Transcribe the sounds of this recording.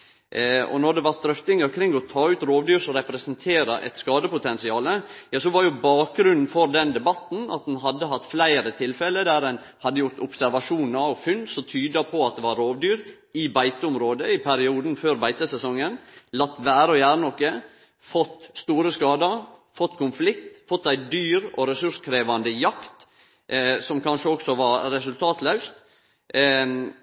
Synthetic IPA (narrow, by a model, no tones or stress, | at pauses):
ɔ̰nɔd̪ɛʋɑɾst̪ɾœft̪ɪŋəɾkʰɾɪŋːɔt̪ʰɑːʉːt̪ɾoːʋd̪yːɾsɔɾɛpɾɛsnt̪ʰeːɾəʔɛ̰t̪skɑːd̪əpʊt̪ʰɛnsɪɑːləjɑːsɔʋɑɾjʊbɑːk̚ɡɾʉnn̩fɔɾd̪ɛnd̪ɛbɑt̪n̩ɑ̰t̪̚d̪ɛnɦɑd̪ːəɦɑt̪ːflæɪɾət̪ʰɪlfɛlːəd̪æɾɛn | hɑd̪ːəjʊɾt̪ʊpsæɾʋɑʂuːnɑʋfʉnsɔt̪ʰyːd̪ɑpʰɔɑt̪̚d̪ɛʋɑɾːoːʋd̪yːɾ | ɪbæɪt̪əʊmɾoːd̪əɪpʰæɾɪuːd̪n̩føːɾbæɪt̪əsɛsɔŋːənlɑt̪ːʋæːɾəɔjæːɾənɔkːə | fɔt̪ːst̪uːɾəskɑːd̪ɑfɔt̪ːkʊnflɪkt̪fɔt̪ːæɪd̪yːɾɔ̰ɾɛsʉʂkʰɾeːʋɑnd̪əjɑkt̪ | sɔmkʰɑnʂəɔksɔʋɑɾɾɛsʉlt̪ʰɑːt̪lɑʉst̪